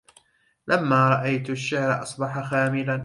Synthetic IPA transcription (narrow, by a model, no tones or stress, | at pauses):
lamːaːɾˤɑʔajt̪aʃːɪʕɾʔɑsˤbɑħaxaːmɪlan